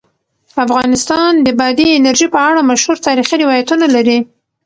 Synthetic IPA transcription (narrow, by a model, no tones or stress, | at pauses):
afɣɑnɪst̪ɑnd̪əbad̪iɪnaɾʒipəaɽamaʃhuɾt̪ɑɾixiɾɪwɑjat̪unalaɾi